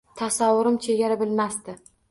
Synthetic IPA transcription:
t̪ʰasawːʊɾɪmt͡ʃʰe̞ɡʲaɾabɪlmast̪ɪ

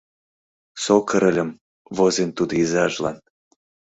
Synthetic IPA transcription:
sokəɾə̆lʲə̆m | vozent̪ud̪oizɑʒlɑ̰n

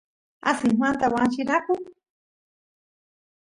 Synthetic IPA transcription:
a̰sɪŋɦwant̪awanʃɪɾakʊ

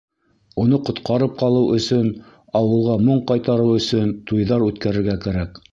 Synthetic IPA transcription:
unɤqŏt̪qɑɾɤp̚qɑlˠɤwʔɵ̆sɵn | ɑwɤ̆lˠʁɑmoɴqɑjt̪ɑɾɤwɵ̆sɵnt̪ujðɑɾʉt̪kæɾɘ̆ɾɡækæɾæk

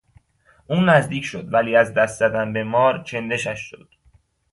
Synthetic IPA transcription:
ʔuːnːæzd̪iːcʰʃo̞d̪væliːæzd̪æst̪zæd̪ænbe̞mɒːɾt͡ʃʰe̞nd̪e̞ʃæʃʃo̰d̪̥̚

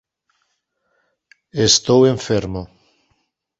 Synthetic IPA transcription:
est̪oweɱfeɾmo

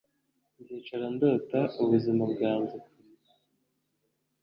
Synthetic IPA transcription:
nzit͡ʃaɾandoːtauβuzimaβɡaːnzi

